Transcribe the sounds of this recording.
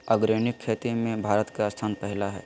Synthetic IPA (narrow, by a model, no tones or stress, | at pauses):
əɡɾenɪkʰːeːt̪imẽbʱaːɾət̪kast̪ʰaːnpɛɦlaɦɛ̰ː